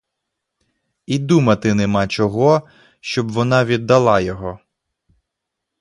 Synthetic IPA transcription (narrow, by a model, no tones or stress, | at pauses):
id̪umɐt̪ɪnemɑt͡ʃɔɦɔ | ʃt͡ʃɔbʋɔnɑʋʲid̪ːɐlˠɑjɔɦɔ